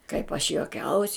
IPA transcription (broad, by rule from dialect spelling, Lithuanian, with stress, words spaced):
kɐɪp ɐʃ joːˈkʲɛʊsʲ